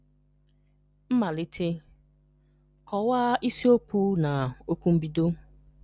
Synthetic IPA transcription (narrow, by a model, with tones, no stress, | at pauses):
m̩˦ma˨lɪ˦tʰe˦ | kʰɔ˨waː˦i˦si˦o˦pu˦na˨o˦ku˦m̩˦bi˦do˦